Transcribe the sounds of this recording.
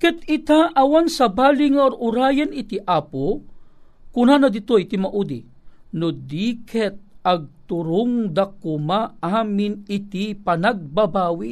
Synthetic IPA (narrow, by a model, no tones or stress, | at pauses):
kɛt̪ɪt̪aʔɐwansɐbaːliŋaʔɔɾʊɾaːjɐnɪt̪iʔaːpo | kʊnanɐd̪ɪt̪ojt̪ɪmaʔud̪i | nod̪iːkʰɛt̪̚ɐɡ̚t̪ʊɾʊŋd̪akʊmaaːmɪnɪt̪ipɐnɐɡ̚babaːwi